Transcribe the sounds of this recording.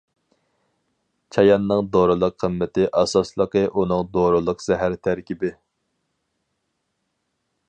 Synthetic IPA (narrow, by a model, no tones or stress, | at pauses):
t͡ʃʰɑjɑnːɨŋd̪oɾɨlˠəqʰːəmːɪt̪ɪʔɑsɑslˠəqəʔunɨŋd̪oɾɨlˠəqz̥ɛɦæɾt̪ʰæɾkʲibɪ